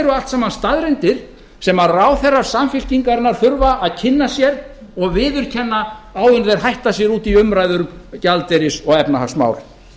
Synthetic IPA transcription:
ɾʏalt̪saːmanst̪aðɾɛnt̪ɪɾ̥ | sɛmaɾraːwθɛrːaɾ̥samfɪl̥ciŋkaɾnaɾ̥θʏɾvaʔaðcʰɪnːasjɛɾ | ɔɣvɪːðʏɾ̥cʰɛnːaaːwʏnðɛɾ̥ɦajht̪asjɛɾuːt̪iʏmɾajðʏɾʏmcalt̪ɛɾɪsɔɣɛpnahaksma̰wɾ

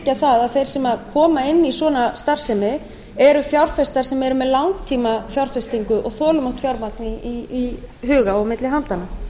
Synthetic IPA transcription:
caθaðaðθejɾ̥sɛmaðkʰɔːmaɪnːisɔːnast̪ar̥sɛmɪ | ɛɾʏfjawɾ̥fɛst̪aɾ̥sɛmɛɾʏmɛðlawŋk̚t̪ʰiːmafjawɾ̥fɛst̪iŋkʏʔɔɣθɔːlʏmawt̪fjawɾmak̪nɪiːɦʏːɣaɔɣmɪt̪lɪɦant̪ana

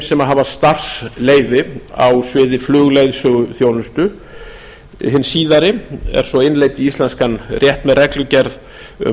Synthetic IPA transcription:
sɛmaɦaːvast̪ar̥sleːjðɪa̰wsvɪːðɪflʏːɣlejðsʏɣʏθjowlʏst̪ʏ | hɪnːsiːðaɾɪɛ̰ɾ̥sɔɪnleːjt̪ɪist̪lɛnskanrjɛht̪mɛðrɛklʏcɛɾð | ʏ̰

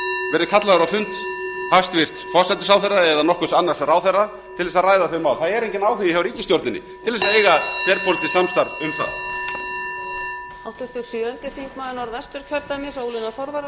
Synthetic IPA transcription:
vɛːɾðɪkʰat̪laɣaɾawfʏnt̪hast̪vɪr̥t̪fɔsat̪ɪsawθɛrːaɛðanɔhkʏsanːar̥sraːwθɛrːa | t̪ʰɪlvɛsaðrajðaθʏmaːwlθaðɛɾejɲcɪnaːwɦʏvɪhawvɾiːcɪst̪jowɾt̪nɪnɪ̰t̪ʰɪlðɛsaðejɣafɛɾpʰolt̪ɪsamst̪aɾðʏmθa̰ð | awt̪ʏ̥t̪ɪɾsjʏœnt̪ɪfiŋkmaːðɪnaɾvɛst̪ʏɾ̥cʰœɾt̪amjɛsoːwlɪnaθɔɾvaɾ

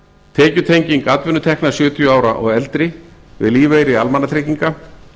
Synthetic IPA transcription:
t̪ʰɛːcʏt̪ʰejɲciŋkat̪vʏnːʏt̪ʰɛhknasjʏːt̪ʰjʏaːwɾaʔɔ̰ɣɛlt̪ɾɪvɪ̰ðliːvejɾɪalmanːat̪ʰɾejciŋka

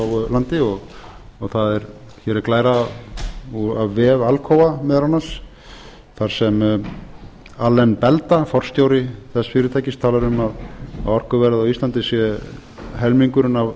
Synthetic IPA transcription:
wlant̪ɪɔɣɔɣθaðɛɾ | çɛːɾɛɾklaːjɾa | uavːɛːvalkʰoːwvamɛðɾanːas | θaɾ̥sɛm | alɛnːpɛlt̪afɔr̥st̪jowɾɪθɛsːfɪːɾɪt̪ʰajcɪst̪ʰaːlaɾʏmaðaɔr̥kʏvɛɾðawist̪lant̪ɪsjɛ | ɦɛlmiŋkʏɾʏnav

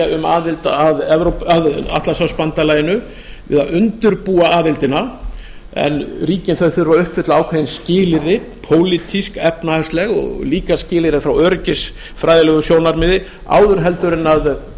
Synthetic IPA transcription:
aʏma̰ːðɪlt̪aaðɛvɾowpaða̰ht̪lasawspant̪alaːjɪnʏ | vɪ̰ðaðʏnt̪ʏɾpuːaaːðɪlt̪ɪna | ɛ̰nɾiːcɪnθœθʏðɾvaʏhpfɪt̪laaːwkʰajɪnscɪːlɪɾðɪpʰoːwlit̪ʰiskɛpnaast̪lɛɣɔ̰ɣliːkascɪːlɪɾɪfɾawœɾcɪs | fɾajðɪlɛɣʏsjoːwnaɾmɪðɪ | a̰ːwðʏɾɦɛlt̪ʏɾɪnað

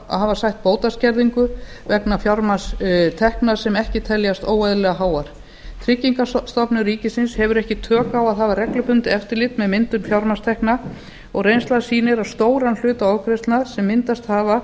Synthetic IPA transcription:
a̰havasajht̪̚poːwt̪ascɛɾðiŋkʏ | vɛknafjaɾmast̪ʰɛhknasɛmɛhcɪt̪ʰɛljast̪oːwajðlɛɣaɦaːwaɾ̥ | t̪ʰɾɪcːiŋkast̪ɔpnʏriːcɪsɪnshɛvʏɾɛhcɪt̪ʰœːkaːwaðɦaːvarɛklʏpʏnt̪ɪɛft̪ɪɾlɪt̪mɛðmɪnt̪ʏmfjawɾmast̪ʰɛhkna | ɔɣrejnst̪laðsiːnɪɾaðst̪oːwɾanl̥ʏːt̪aɔwkʰɾest̪naðsɛmːɪnt̪ast̪haːva

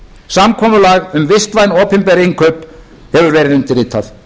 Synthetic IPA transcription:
samkʰɔːmʏlaɣʏmvɪst̪vajnɔːpɪmpɛɾiŋkʰœɥp | hɛvʏɾvɛːɾɪðʏmt̪ɪriːt̪ʰaθ

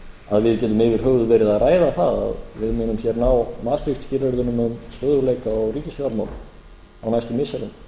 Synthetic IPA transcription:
aðvɪðcɛːt̪̬ʏmɪvɪɾ̥ɦœɣðʏvɛːɾɪðaðraːjðaθaða̰ðvɪðmɪːnʏmçɛɾnawmaːst̪ɾɪxt̪scɪːlɛɾðʏnʏmʏmst̪œðɾʏɾleːjkaɔwriːcɪsfjaɾmaːwlɪ̰ | awnajst̪ʏmɪsɛɾʏm

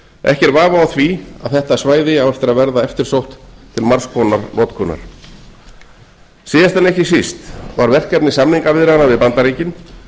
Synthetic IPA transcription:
ɛ̰hcɛɾvaːvaawθvia̰ðθɛht̪asvaːjðɪawɛft̪ɪɾaðvɛɾðaɛft̪ɪɾ̥sowht̪t̪ʰɪlmaɾ̥skʰɔnaɾnʔɔːt̪kʰɔna̰ɾ̥ | siːðast̪ɛnejhcɪsist̪vaɾvɛr̥kɛpnɪsamniŋkavɪðɾɪðanavɪðpant̪aɾiːcɪn

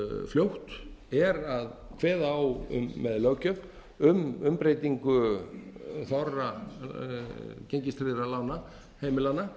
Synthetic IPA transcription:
fljowht̪ɛɾaðkʰvɛːðawʏ̰mːɛðlœɣcœv | ʏmʏmpɾeːjt̪iŋkʏ | θɔra | ceɲcɪst̪ɾɪðɾalaːwna | heːjmɪlanːa

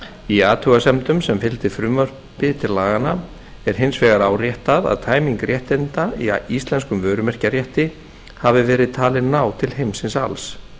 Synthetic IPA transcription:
iaːt̪ʰʏɣasɛmt̪ʏmsɛmfɪlt̪ɪfɾʏmœr̥ | pɪt̪ʰɪlːaːɣana | ɛɾ̥ɦɪnsvɛːɣaɾaːwrjɛht̪aða̰ðt̪ʰaːjmiŋkɾjɛht̪ɪnt̪aiist̪lɛnskʏmvœːɾʏmɛr̥carjɛht̪ɪ | havɪvɛːɾɪðt̪ʰaːlɪðnaːwt̪ʰɪlhejmsɪnsals

